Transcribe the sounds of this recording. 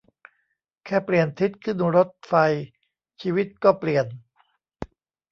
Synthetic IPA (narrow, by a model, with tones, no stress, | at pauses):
kʰɛː˥˩pli˨˩ənt̪ʰi˦˥t̪̚kʰɯ˥˩nɾo˦˥t̪̚fa˧j | t͡ɕʰiː˧wi˦˥t̪̚kɔː˥˩pli˨˩ən